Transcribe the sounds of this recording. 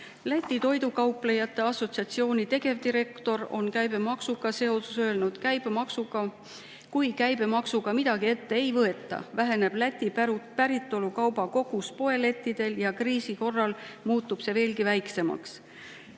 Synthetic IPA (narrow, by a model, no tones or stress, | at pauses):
læt̪ʲˑːit̪o̞jd̪ukɑwple̞jɑt̪ːe̞ɑso̞t̪siɑt̪sio̞ːnʲit̪e̞ɡ̥e̞vd̪iɾe̞kt̪o̞ɾo̞̰nkæjbe̞mɑksukɑse̞o̞susø̞ːlnud̪̥kæjb̥emɑksuɡɑ | kujkæjb̥e̞mɑksuɡ̥ɑmid̪̥ɑɡ̥ie̞t̪ːe̞ejvɤe̞t̪ːˑɑ̰væɦe̞ne̞b̥læt̪ʲːˑipæɾupæɾit̪ˑːo̞lukɑwbɑko̞ɡ̥uspo̞e̞le̞t̪ːˑid̪̥e̞ljɑkriːsiko̞rːɑlmuːt̪ːˑub̥se̞ve̞ːlkivæjkse̞mɑ̰ks